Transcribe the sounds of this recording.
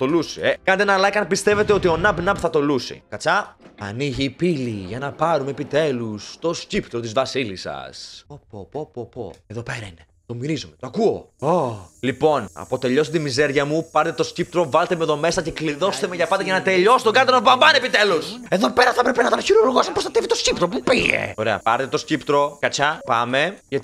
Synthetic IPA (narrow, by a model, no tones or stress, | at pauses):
t̪o̞lusiekɐnet̪eenɐlɐkɐnpist̪eve̞t̪eo̞t̪io̞nɐbnɐpθɐt̪o̞lusḭkɐt͡sɐɐ̰niʝiːpiliʝɐnɐpɐɾumeepit̪e̞lust̪o̞scipt̪ɾo̞t̪izvɐsilisɐ̰sopopopopo̰eðo̞pe̞ɾɐine | t̪o̞miɾizume̞t̪oɐkuo̞olipo̞nɐ̰po̞t̪e̞ʎo̞st̪imizeɾʝɐmupɐɾt̪et̪o̞scip̚t̪ɾo̞vɐlt̪emeðo̞me̞sɐce̞kliðo̞st̪emeʝɐpɐt̪ɐʝɐnɐt̪e̞ʎo̞si̥t̪oɡɐɾt̪ɐnobɐmbɐne̞pit̪eluse̞ðo̞peɾɐθɐpɾepenɐt̪ɐɾçiɾouɾɣosɐmpost̪ɐt̪evit̪oscipt̪ɾo̞pupiḛoɾeɐ̰pɐɾt̪e̞t̪o̞scipt̪ɾo̞kɐt͡ʃɐpɐme̞ʝɐ